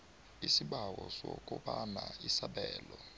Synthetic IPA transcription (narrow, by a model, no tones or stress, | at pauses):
isiɓawɔsɔkʼɔɓanaisaɓɛːlɔ